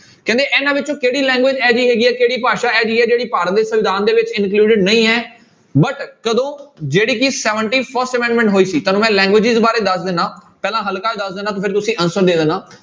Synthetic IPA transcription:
kɛ̃ːnd̪eːʔɛːnãːʋɪt͡ʃõːkeːɽiːlɛ̃ːŋɡʋɪd͡ʒɛːd͡ʒiːɦɛːɡiːɛːkeːɽiːpaːʃaːɛːd͡ʒiːɛːd͡ʒeːɽiːpaːɾət̪̚d̪eːsəʋɪd̪aːnd̪eːʋɪt͡ʃɪ̃nkluːɖɪɖnəĩːɦɛː | bəʈkəd̪õːd͡ʒeːɽiːkɪsɛːʋəɳʈiːpʰəɾsʈəmɛ̃ːɳɖmɛ̃ɳʈɦoːiːsiːt̪aːnũːmɛ̃ːlɛ̃ːŋɡʋɪːd͡ʒɪzbaːɾeːd̪əsd̪enãːpɛːlãːɦəlkaːeːd̪əsd̪eːnaːt̪õːpʰɪɾt̪ʊsĩːʔənsəɾd̪eːd̪ənãː

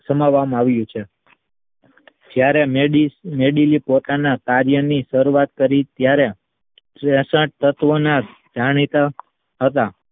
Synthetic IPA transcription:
səmaʋamaʋjũt͡ʃʰe | d͡ʒjaɾemimeɖilipot̪anakaɾjənisəɾuat̪̚kəɾit̪jaɾe | ɾɛ̃səʈ̚t̪ət̪ʋona | d͡ʒaɽ̃it̪a | ɦət̪a

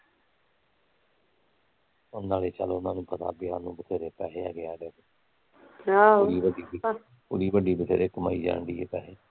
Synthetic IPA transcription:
ʊnːaːleːt͡ʃəloʊnãːnũːpət̪a̰ːbɪjaːnːũːbət̪ʰeːɾeːpɛːɦeːa̰ːɡɪaːɾeːeː | ɽiːbəɖiː | pʊɽiːbəɖiːbət̪ʰḛːɾeːkəmaːiːd͡ʒa̰ːɳɖiːeːpɛ̰ːɦeː

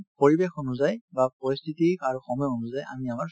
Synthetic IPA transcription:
poɹibexonuzajbapɔst̪ʰitikaɹuxɔmɔjɔonʊzaja̰miamaɹ

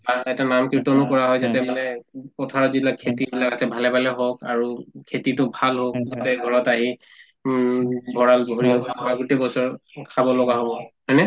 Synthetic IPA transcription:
baɛtanamkiɹtɔnʊkɔɹaɦɔjzatɛmanɛpɔtʰaɹɔzibilakʰːetibilakasɛbʱalɛbalɛɦokaɹukʰetitʊbʱalɦok̚ɡuteɡʱɔɹɔtaɦi | bʱɔɹalbʱoɹiɔkaaɡutebɔsɔɹkʰabɔlɔɡaɦɔbɔhɔjnɛ

